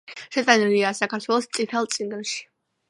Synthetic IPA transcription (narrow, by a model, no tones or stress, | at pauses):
ʃɛt̪ʼaniliaːsakʰaɾt̪ʰwɛlˠɔst̪sʼit̪ʰɛlˠt̪sʼiŋɡnʃi̥